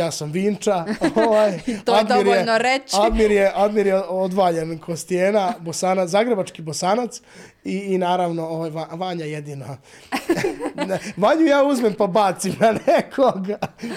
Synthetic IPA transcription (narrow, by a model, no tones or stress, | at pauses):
jaːsamʋiːnt͡ʂaoʋajt̪oad̪iɾjenoɾet͡ɕad̪miɾjeʔad̪miɾjeod̪ʋaːʎenkʰost̪ijeːnabosaːnazaːɡɾebat͡ʃkibosaːnat̪s | iːnaːɾaʋno̞oʋajʋaʋaɲajed̪iːna | ʋaɲujaːuzmempabaːt̪simnanekʰoɡ